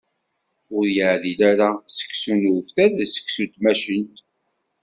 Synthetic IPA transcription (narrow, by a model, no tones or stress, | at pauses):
ʊɾjəʕðilæɾasə̥kːsunfθæðæsə̥kːsut̪mæʃənt̪